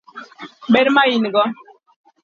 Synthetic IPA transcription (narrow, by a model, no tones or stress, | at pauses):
ɓeɾmajinɡɔ